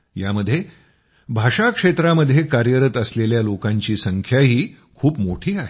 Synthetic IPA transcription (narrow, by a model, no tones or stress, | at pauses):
jaməd̪ʱːje | bʱaʂakʂet̪ɾaməd̪ʱːjekaɾjəɾət̪əsleljalokãɲt͡ɕiːsəŋkʰjaɦiː | kʰuːpmoʈʰiːaɦe